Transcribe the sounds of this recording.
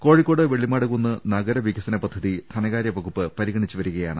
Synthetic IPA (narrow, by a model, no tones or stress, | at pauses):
ko̞ːɻikːo̞ːɽɨʋeɭːimaːɽuɣunːɨnɐɣɐɾɐʋikːɐsɐnɐpɐd̪ʱːɐðit̪ʰɐnɐɣaːɾjɐʋɐɣupːɨpɐɾiɣɐɳit͡ɕːuʋɐɾuɣɐjaːɳɨ